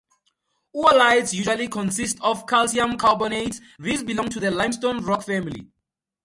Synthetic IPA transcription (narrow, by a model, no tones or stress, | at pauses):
uəlajtsjuʒwalikʰɔ̃nsistʰɔfkʰalsiãmkʰabɔnets | ɹisbilɔ̃ŋtʰuðəlãj̃mstõnɹɔkfɛ̃milḭ